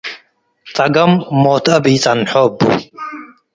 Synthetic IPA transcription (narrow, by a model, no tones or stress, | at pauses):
t͡sʼɐɡɐmːoːt̪ʰɐbiːt͡sʼɐnħobṵ